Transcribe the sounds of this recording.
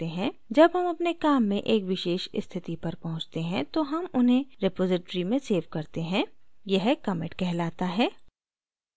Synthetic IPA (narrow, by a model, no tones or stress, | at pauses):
eɦɛ̃d͡ʒɐbɦɐmɐpnekaːmːẽʔeːkʋɪʃeːʃɪst̪ʰɪt̪ipɐɾpɐɦʊ̃t͡ʃt̪eɦɛ̃t̪oɦɐmʊnɦẽɾɪpoːzɪʈɾimẽseːʋkɐɾt̪eɦɛ̃jɐɦkɐmɪ̃ʈkɛɦlaːt̪aɦɛː